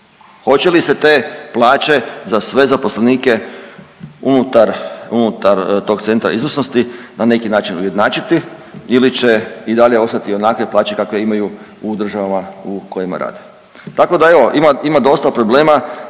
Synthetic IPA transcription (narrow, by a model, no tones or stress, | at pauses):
xo̞t͡ɕe̞lise̞t̪e̞plˠaːt͡ʃe̞zasʋe̞zapo̞sleniːke̞ | unut̪aɾunut̪aɾt̪o̞ɡt̪se̞nt̪ɾa̰izosnost̪inane̞kinaːt͡ʃinuje̞d̪naːt͡ʃit̪iilit͡ɕe̞id̪aʎeo̞st̪at̪io̞nakʋe̞plˠaːt͡ʃe̞kakʋe̞imaju | ud̪ɾr̩ʒaʋamauko̞jima̰ɾʔa̰ːd̪e | t̪ako̞d̪ae̞ʋo̞ʔimaimad̪o̞st̪apɾo̞ble̞ːma